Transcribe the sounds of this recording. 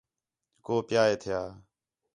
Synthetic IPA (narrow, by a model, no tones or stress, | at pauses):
koːpɪjaːeːt̪ʰɪjaː